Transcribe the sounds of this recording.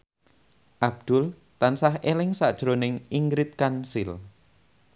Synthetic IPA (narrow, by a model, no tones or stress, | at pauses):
ʔab̚d̪̥ʊl | t̪ansahʔelɪŋsaʔd̥ʒ̥ɾonɪŋiŋɡɾɪt̪̚kansɪl